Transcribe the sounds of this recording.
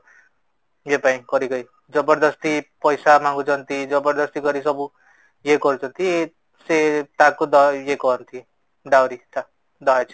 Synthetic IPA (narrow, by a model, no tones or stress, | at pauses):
jepãĩkʌɾikʌj | d͡zʌbʌɾd̪ʌst̪ipʌjsamaŋɡut͡sʰʌnt̪id͡zʌbʌɾd̪ʌst̪iɡʌɾisʌbu | jekʌɾt͡sʰʌnt̪i | set̪akod̪ʌjekoʌnt̪ʰi | ɖawɾit̪a | d̪ʌat͡sʰi̥